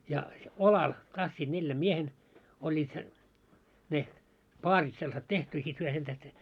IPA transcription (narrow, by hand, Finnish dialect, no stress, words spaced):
jɑ olɑl tɑsːiːd̥ neljæm miehen olʲːiːt se ne pɑːrit selːɑ̆set tehty jɑ sit hyø sen tæhte